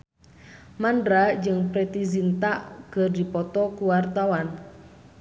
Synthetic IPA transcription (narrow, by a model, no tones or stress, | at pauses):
mandɾad͡ʒɨŋpɾet̪izint̪aʔɡ̥ədipɔt̪ɔkuwart̪awan